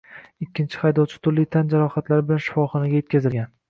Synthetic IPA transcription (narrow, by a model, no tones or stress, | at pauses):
ɪkʲːɪnt͡ʃʰɪ̥hajd̪ɒwt͡ʃʰɪ̥t̪ʰʊɾlijt̪ʰand͡ʒaɾɒχat̪laɾɪbɪlanʃɪ̥fɒχɒnaɡʲajet̪̚ʲkʲazɪlɡʲan